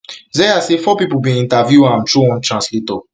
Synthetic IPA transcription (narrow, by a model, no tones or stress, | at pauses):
zɛjasefɔpipubĩĩntavjuãmtuɔ̃ntɹãnslitɔ